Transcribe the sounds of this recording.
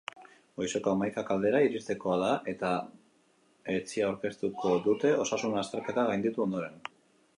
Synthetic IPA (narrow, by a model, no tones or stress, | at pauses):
o̞jso̞koamajkakald̪e̞ɾaiɾist̪e̞ko̞aðaʔe̞t̪a | e̞t͡siawɾke̞st̪uko̞ðut̪e̞o̞sasunast̪e̞ɾke̞t̪aɣajnd̪it̪uo̞nd̪o̞ɾe̞n